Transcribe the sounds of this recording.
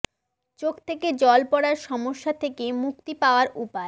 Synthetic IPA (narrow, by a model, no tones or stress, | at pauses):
t͡ɕokt̪ʰeked͡ʑɔlpɔɽaɾʃɔmoʃːat̪ʰekemuk̚t̪ipaoaɾupae